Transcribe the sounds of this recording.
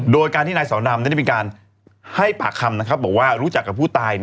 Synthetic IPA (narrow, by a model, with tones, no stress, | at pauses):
doː˧jkaː˧t̪i˥˩naː˧jsɔː˩˦ndaː˧mna˥˩˥m˧iː˧kaː˧n | ha˥˩jpa̰ː˨˩kʰːa˧mna˦˥kʰɾa˦˥p̚bɔː˨˩k̚waː˥˩ɾu˦˥t͡ɕa˨˩kːa˨˩pʰːuː˥˩t̪aː˧j